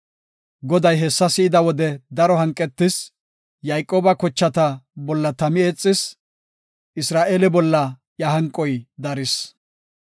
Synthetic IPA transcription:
ɡɔd̪ɐjɦɛsːɐsɪɪd̪ɐwɔd̪ɛd̪ɐɾɔɦɐŋkʼːɛt̪ːɪs | jajkʼːo̞ːbɐkɔt͡ʃːɐt̪ɐbɔlːɐt̪ɐmɪeːt͡sʼːɪs | ʔɪsɾaːʔeːlɛbɔlːɐ | jɐɦɐŋkʼːɔjd̪ɐɾɪs

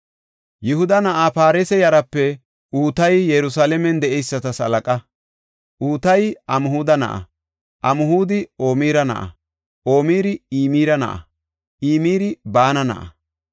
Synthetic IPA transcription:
jɪhʊd̪ɐnɐʔaːpaːɾesɛjɐɾɐpːɛ | ʔuːt̪ɐjjɛɾʊsaːlɛmɛnd̪ɛʔɛjsːɐt̪ɐsɐ̰lɐkʼɐ | ʔuːt̪ɐjʔɐmʊhuːd̪ɐnɐ̰ʔɐ̰ | ʔɐmʊɦuːd̪ɪo̞ːmiːɾɐnɐ̰ʔɐ̰ | ʔo̞ːmiːɾɪiːmiːɾɐnɐ̰ʔɐ̰ | ʔiːmiːɾɪbaːnɐnɐ̰ʔɐ̰

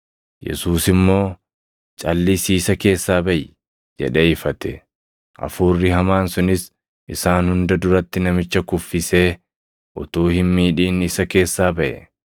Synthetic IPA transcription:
jɛ̰suːsɪmːo̞ː | t͡ʃʼɐlːɪsiːsɐke̞ːsːaːbɐjɪ | d͡ʒɛ̰ᶑeːɪfɐt̪ɛ | ʔɐ̰fuːrːɪɦɐmaːnsʊnɪs | ʔɪsaːnhʊnd̪ɐd̪ʊɾɐt̪ːɪnɐmɪt͡ʃːɐkʊfːɪse̞ː | ʔʊt̪uːhɪnmiːᶑiːnɪsɐke̞ːsːaːbɐʔɛ̰

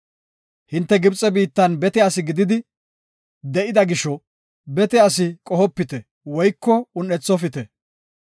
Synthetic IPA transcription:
hɪnt̪ːɛɡɪbt͡sʼːɛbiːt̪ːɐnbɛt̪ɛɐsɪɡɪd̪ɪd̪ɪ | d̪ɛʔɪd̪ɐɡɪʃɔ | bɛt̪ɛɐs̬ɪkʼɔhɔpːɪt̪ɛ | wɔjkːɔʊnːɛt͡sːɔfɪt̪ɛ

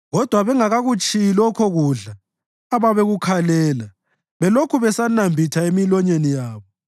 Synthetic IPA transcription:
ɣɔd̥ʱwaβɛŋaɣaɣut͡ʃʼijilɔkʰɔɣuɮaː | βaβeɣukʰalɛːla | βɛlokʰuβɛsanambʱitʰaemilɔɲenijaːβɔ

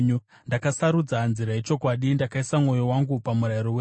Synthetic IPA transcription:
ɲu | ndakasaɾud͡zanziɾaet͡ʃo̞kwaɗindakaisamŋo̞jo̞waŋɡupamuɾaiɾowe

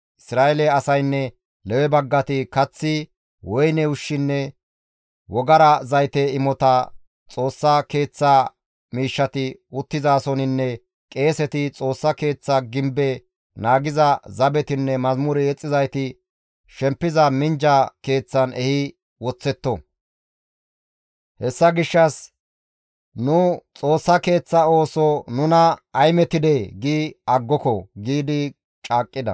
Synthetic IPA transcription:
ʔɪsɾaːɛlɛɐsɐjnːɛ | lɛwɛbɐɡːɐt̪ɪkɐt͡sːɪ | wɔjnɛʊʃːɪnːɛ | wɔɡɐɾɐzɐjt̪ɛɪmɔt̪ɐ | t͡sʼo̞ːsːɐke̞ːt͡sːa | miːʃːɐt̪ɪʊt̪ːɪzaːsɔnɪnːɛ | kʼe̞ːsɛt̪ɪt͡sʼo̞ːsːɐke̞ːt͡sːaɡɪmbɛ | naːɡɪzɐzɐbɛt̪ɪnːɛmɐzmʊɾɛɛt͡sʼːɪzɐjt̪ɪ | ʃɛmpːɪzɐmɪnd͡ʒɐke̞ːt͡sːɐnʔɛhɪ | wɔt͡sːɛt̪ːɔ | hɛsːɐɡɪʃːɐs | nʊt͡sʼo̞ːsːɐke̞ːt͡sːɐo̞ːsɔnʊnɐːjmɛt̪ːɪd̪eɡiɐɡːɔkɔɡiːd̪ɪ | t͡ʃʼaːkʼːɪd̪ɐ̰

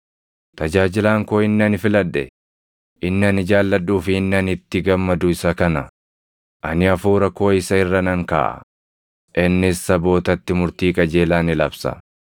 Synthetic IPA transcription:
t̪ɐd͡ʒaːd͡ʒɪlaːŋkoːɪnːɪɐnɪfɪlɐd̪ːɛ̰ | ʔɪnːɪɐnɪd͡ʒaːlːɐᶑuːfɪɪnːɐnɪt̪ːɪɡɐmːɐd̪ʊɪsɐkɐnɐ | ʔɐnɪɐfuːɾɐko̞ːɪsɐɪrːɐnɐŋka̰ːʔɐ̰ | ʔɪnːɪsːɐbo̞ːt̪ɐt̪ːɪmʊɾt̪iːkʼɐd͡ʒe̞ːlaːnɪlɐbsɐ̰

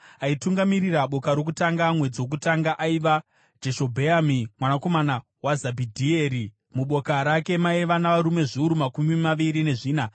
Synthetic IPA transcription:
aituŋɡamiriraɓo̞kaɾo̞k̬utaŋɡamwe̞d͡ziwo̞k̬utaŋɡaʔaiʋa | d͡ʒeʃo̞bʱeamimwanako̞mana | wazabʱidʱie̞ɾi | muɓo̞kaɾake̞maiʋanaʋaɾume̞ʐiuɾumakumimaʋiɾine̞ʐiːna

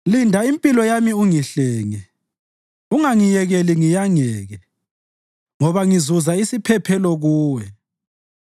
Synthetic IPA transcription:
lindʱaimpʼilɔjamiuŋiɬɛːŋɛ | uŋaŋijɛɣɛliŋijaŋɛːɣɛ | ŋɔβaŋizuzaisipʰɛpʰɛlɔɣuːwɛ

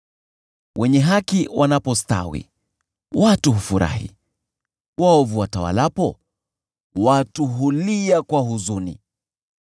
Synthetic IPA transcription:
wʔɛɲɛɦakiwʔanapɔsta̰wḭ | watuɦufuɾa̰hḭ | waɔvuwatawa̰lapɔ | watuɦuliakwaɦuzunḭ

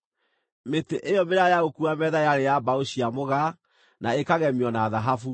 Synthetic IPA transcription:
meteʔejɔmeɾajaɣokuamɛːðajaɾejabaoɕiamoɣa | naekaɣɛmiɔnaðaɦafu

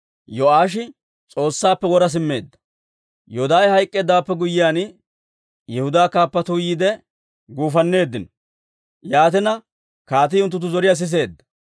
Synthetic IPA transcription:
jɔaːʃ̬ɪ | t͡sʼo̞ːsːaːpːɛwɔɾɐs̬ɪmːe̞ːd̪ːɐ̥ | jɔd̪aːjhɐjkʼːe̞ːd̪aːpːɛɡʊjːɪjaːn | jɛhʊd̪aːkaːpːɐt̪ujiːd̪ɛ | ɡuːfɐnːe̞ːd̪ːɪnɔ | jaːt̪ɪnɐ | kaːt̪ɪːʊnt̪ːʊt̪ːʊzɔɾɪjaːs̬ɪs̬e̞ːd̪ːɐ̥

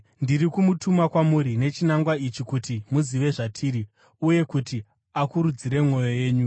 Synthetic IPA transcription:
ndirikumutumakwamuɾine̞t͡ʃinaŋɡwait͡ʃikutimuziʋe̞ʐatʰiːɾi | uje̞kuti | akuɾud͡ziɾe̞mŋo̞jo̞je̞ːɲu

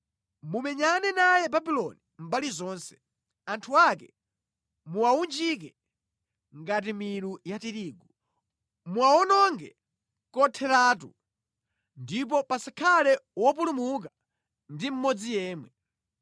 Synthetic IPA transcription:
mumɛɲanɛnajɛbabilɔnim̩balizɔːnsɛ̥ | antʰuakɛ | muawund͡ʒik̬ɛ | ŋɡat̬imiɾujatiɾiːɡu | muaɔnɔŋɡɛ̰ | kɔtʰɛɾaːtṵ | ndip̬ɔpasakʰalɛwɔp̬ulumuk̬a | ndim̩mɔd͡zijɛːmwɛ

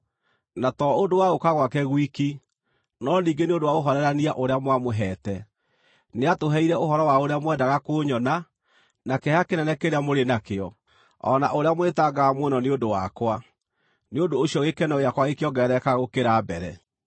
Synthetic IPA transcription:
natɔondowaɣokaɣwakɛɣwiki | nɔniːŋɡeneondowaɣoɦɔɾɛɾaniaʔoɾeamwamoɦɛːtɛ | neatoɦɛiɾɛoɦɔɾɔwaoɾeamwɛdaɣakoɲɔna | nakehakenɛnɛkeɾeamoɾenakeɔ | ɔ̰naʔoɾeamoetaɡaːmwonɔneodowakwa | neondoːɕiɔɣekɛnɔɣjakwaɣekeɔɡɛɾɛkaɣokeɾaːbɛɾɛ

